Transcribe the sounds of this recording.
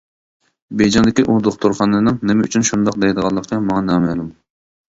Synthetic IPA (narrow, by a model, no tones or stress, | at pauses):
bejd͡ʒɑnd̪ɪkʲiʔud̪oχt̪ʰuɾχɑnɨnɨŋnɪmɪy̰t͡ʃʰynʃund̪ɑqd̪ejd̪əʁɑlˠːəq̪əmɑŋɑnɑːmɛlˠum